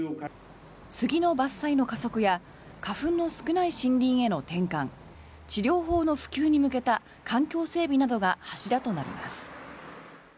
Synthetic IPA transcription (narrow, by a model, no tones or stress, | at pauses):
sɨɡʲino̞basːaino̞kaso̞kɯ̟ja | kaɸɯ̟̃nːo̞sɨ̥kɯ̟naiɕĩnɾʲĩɰ̃e̞no̞t̪ẽ̞ŋkãŋ | t͡ɕiɾʲo̞ːɦo̞ːno̞ɸɯ̥kʲɨːɲ̟imɯ̟k̬e̞t̪a | kʰãŋkʲo̞ːse̞ːbʲinad̪o̞ɡahaɕiɾat̪o̞naɾʲḭma̰sɨ̥